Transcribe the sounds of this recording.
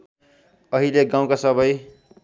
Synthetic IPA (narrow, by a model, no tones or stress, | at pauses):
ʌɦileɡãw̃kasʌbʌj